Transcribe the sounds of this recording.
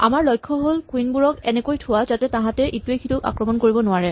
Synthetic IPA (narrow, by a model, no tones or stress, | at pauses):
a̰maɹlɔjkʰːɔɦolkwinbuɹɔkɛnɛkojtʰʊwazatɛtãɦãtɛʔituejkʰituka̰kɹɔmɔnkoɹibɔnʊaɹɛ